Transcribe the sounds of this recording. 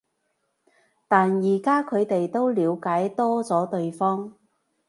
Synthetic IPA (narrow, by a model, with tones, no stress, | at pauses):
t̪aː˨njiː˨˩kaː˥kʰɵ˨˧ɥt̪e˨jt̪o˥wliː˨˧wkaː˨˥jt̪ɔː˥t͡sɔː˨˥t̪ɵ˧ɥfɔː˥ŋ